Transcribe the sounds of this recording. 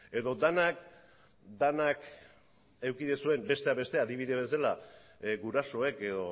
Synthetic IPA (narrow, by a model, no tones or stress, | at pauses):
e̞ðo̞d̪anak̚ | d̪anak | e̞wkiðesue̞mbe̞st̪e̞aβe̞st̪e̞aðiβ̞iðe̞βesalaɡuɾaso̞e̞ke̞ðo̞